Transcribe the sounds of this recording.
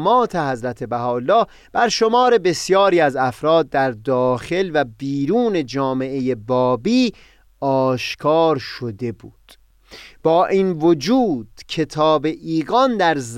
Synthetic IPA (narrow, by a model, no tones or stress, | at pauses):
mɒːt̪ʰe̞hæzɾæt̪ʰe̞bæhɒːlːɒː | b̥æɾʃo̞mɒːɾe̞be̞sjɒːɾiːæzæfɾɒːd̪̚ːæɾd̪ɒːxe̞lvæbiːɾuːne̞d͡ʒɒːme̞ʔejebɒːbiː | ɒːʃkʰɒːɾʃo̞d̪e̞buːd̪̥ | b̥ɒːʔiːnvod͡ʒuːd̪̥cʰe̞t̪ʰɒːbe̞ʔiːɣɒnd̪æɾz